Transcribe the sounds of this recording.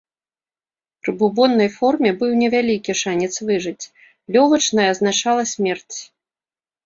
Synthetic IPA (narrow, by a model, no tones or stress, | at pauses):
pɾɨbubɔnːɐjfɔrmʲɛbɨwnʲɛvʲalʲikʲiʂanʲɛt̪svɨʐɨt͡sʲ | lʲɔlˠɐt͡ʂnɐjɐːznat͡ʂalˠɐsʲmʲɛrt͡sʲ